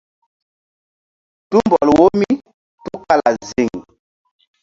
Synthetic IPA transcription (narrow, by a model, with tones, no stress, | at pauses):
tu˦mbɔ˨lwo˦mi˦ | tu˦ka˦la˨zi˨ŋ